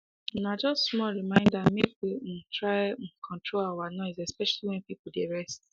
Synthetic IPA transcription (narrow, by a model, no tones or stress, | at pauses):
nad͡ʒɔstmɔɹimãɪ̃ndamebim̩tʰɹaɪkʰɔ̃ntɹoawanɔɪzɛspɛʃaliwɛ̃npipodeɹɛst̚